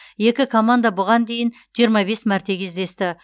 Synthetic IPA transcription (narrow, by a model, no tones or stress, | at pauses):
je̞kʲɪkʰo̞mand̪ɑbʊʁɑnd̪e̞jɪn | ʒijəɾmɑbe̞smæɾt̪e̞kʲʰezd̪e̞st̪ɪ